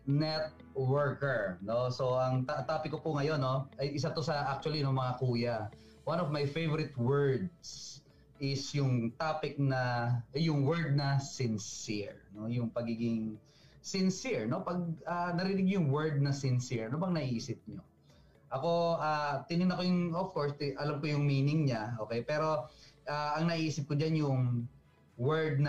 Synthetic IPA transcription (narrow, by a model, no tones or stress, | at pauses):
nɛt̪̚ | wɛɹkɛɹno̞so̞ʔɐŋt̪at̪aːpɪkːopʊŋɐjo̞nːo̞ʔɐjʔɪs̬at̪o̞sɐʔak̚t͡ʃʊwɐlinomɐŋakuːjɐ | wanɔvmajfejvɔɾɪt̪wɛɹd̪̚s | ʔɪsjʊŋt̪aːpɪk̚nɐjʊŋwɛɹd̪̚nɐsɪnsɪɹno̞jʊŋpɐɡiːɡɪŋ | sɪnsiɹno̞pɐɡ̚anɐɾiːnɪɡ̚ɲʊjʊŋwɛɹd̪̚nɐsɪnsiɹnobɐŋnɐʔiːsɪp̚ɲo | ʔɐko̞aːt̪ɪnɪnɐkojʊŋofkoɹst̪ɪʔɐlamkojʊŋmiːnɪŋɲaʔoːkɛjpɛːɾo̞ʔaːʔɐŋnɐʔiːsɪp̚kʊd͡ʒanjʊŋ | wɛɹd̪̚n